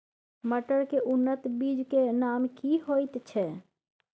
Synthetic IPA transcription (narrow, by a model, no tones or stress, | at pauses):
məʈəɾkeʔʊnːət̪bid͡ʒkenamkiɦoɪt̪t͡ʃʰɛ